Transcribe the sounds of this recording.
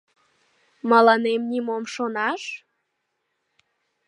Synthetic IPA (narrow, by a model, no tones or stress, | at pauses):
mɑlɑnemnʲimomʃonɑʃ